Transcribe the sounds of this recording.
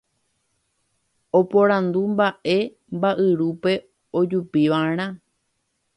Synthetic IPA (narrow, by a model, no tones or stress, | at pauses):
opõɾãnd̪umbaʔe̞ | mbaʔɨɾupe̞ | od͡ʒupiʋaɾ̃ã